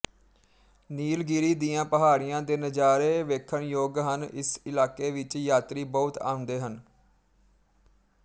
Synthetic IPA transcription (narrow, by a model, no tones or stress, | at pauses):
niːlɡiɾiːd̪ijãːpəɦaːɾɪjãːd̪eːnəd͡ʒaːɾeːʋeːkʰəɳjoːɡɦənɪ̰sɪlaːkeːʋɪt͡ʃjaːt̪ɾiːbɔʊt̪a̰ːʊ̃nd̪eːɦən